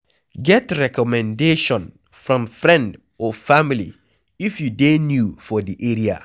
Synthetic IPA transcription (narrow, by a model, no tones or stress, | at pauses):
ɡɛtɹɛkɔmɛ̃ndeʃɔ̃n | fɹɔ̃mfɾɛ̃nd | ɔfamilḭ | ifjudenjufɔdiʔeɹia̰